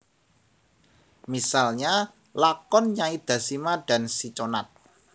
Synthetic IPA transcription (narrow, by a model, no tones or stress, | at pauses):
misalɲa | lakɔnɲaŋid̪̥ä̤simaɖ̥ä̤nsit͡ʃonat̪̚